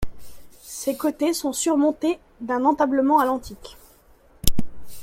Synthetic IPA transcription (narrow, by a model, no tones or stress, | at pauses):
sekot̪esɔ̃syʁmɔ̃t̪e | d̪ɛ̃nɑ̃t̪abləmɑ̃alɑ̃t̪ik